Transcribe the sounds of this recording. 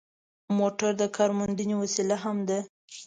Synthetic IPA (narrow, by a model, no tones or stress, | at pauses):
moʈaɾd̪əkʰɑɾmʊnd̪iniwasilaɦamd̪a